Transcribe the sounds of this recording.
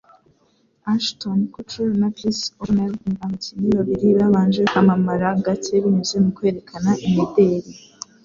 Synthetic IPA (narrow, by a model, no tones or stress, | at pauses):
aʃtonkut͡ʃunakɾisoɾneɾɡamutiniβaβiɾiβaβaːnd͡ʒekamamaɾaɡat͡ʃeβiɲuzemukwe̞ːɾe̞kʰanaʔimedeɾi